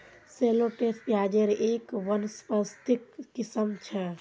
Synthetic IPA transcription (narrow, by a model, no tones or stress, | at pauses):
seloʈespjad͡ʒeɾekʋənspəst̪ikːisəmt͡ʃʰɛ